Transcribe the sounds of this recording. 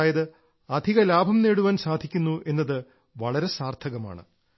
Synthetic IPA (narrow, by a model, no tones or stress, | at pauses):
jɐðɨ | ɐd̪ʱiɣɐlaːbʱɐmne̞ːɽuʋaːnsaːd̪ʱikʲːunːuʔe̞nːɐðɨ | ʋɐɭɐɾe̞saːrt̪ʰɐɣɐma̰ːɳɨ̰